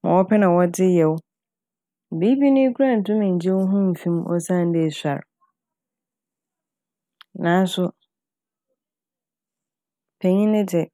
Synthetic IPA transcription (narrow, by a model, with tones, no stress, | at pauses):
mã̰˨wɔ˦pʰɛ˦nã˨wɔ˦dɪ˦jɛ˨wʊ˦˨ | bi˦bi˦nʊ̃˦i˦kʰu˦ɾã˦˨n̩˨tʰʊ̃˦mɪ̃˨ɲ̩˨d͡ʑɛ˦wɦũ˦m̩˨fĩ˦mʔɔ̰˦sã˦˨n̩˦de˦˨sa̰˨ɾ | nãː˨˦n˦sʊ˨ | pʰɛ˨ɲĩ˦nɪ̃˦dɪ˨